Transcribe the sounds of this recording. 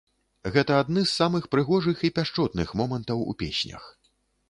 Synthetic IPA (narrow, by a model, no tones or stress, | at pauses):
ɣɛt̪ɐad̪nɨsːamɨxpɾɨɣɔʐɨxipʲaʂt͡ʂɔt̪̚nɨxmɔmɐnt̪ɐwṵpʲesʲnʲɐ̰x